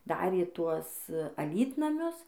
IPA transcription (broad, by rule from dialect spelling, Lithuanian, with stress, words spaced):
ˈdɑːrʲeː ˈtuɔs ɐˈlʲiːtnɐmʲʊs